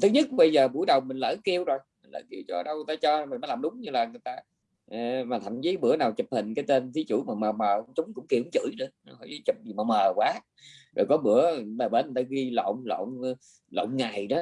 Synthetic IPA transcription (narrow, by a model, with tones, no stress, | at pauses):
t̪ʰɨ˨˦ɲɨ˦˥t̚ɓə˧jzəː˨˩ɓṵ˧˩˦jɗə˨˩wmï˨˩ŋ̟lə̰ː˧˥ki˧əwzo˨˩jmi˨˩ŋ̟lə̰ː˧˩˦ki˧wt͡ɕɔ˧˨˩ɗə˧wjt̪aː˧t͡ɕɔ˧mi̟˨˩mə˨˦jlaː˨˩mɗʊ˨˦ŋ͡mɲɨ˧laː˨˩ŋɨ˨˩əjt̪aː˧˨ | maː˨˩t̪ʰa̰˧˩ŋt͡ɕi˨˦ɓɨ̰˧˥ənaː˨˩wt͡ɕɨ˨˩p̚hï˨˩ŋ̟kaː˨˦jt̪e˧nt̪ʰi˨˦t͡ɕṵ˧˩maː˨˩məː˨˩məː˨˩kŋ͡mt͡ɕʊ˨˦ŋ͡mkʊ̰˧˥ŋ͡mki˧˩hŋ͡mt͡ɕɨ̰˧˥˦jnɨ̰˧˥ən˨˧˦hɔ˧˦jzi˧˨˦t͡ɕɨ˨˩p̚zi˨˩məː˨˩məː˨˩kwaː˨˦ | zo˨˩jkɔ˨˦ɓɨ̰˧˥əɓaː˨˩ɓe˧˦nː˨˩t̪aː˧ɣi˧lo̰˧˨wŋ͡mlo̰˧˨wŋ͡m | lo̰˧˨wŋ͡mŋa˨˩jnɔ˨˦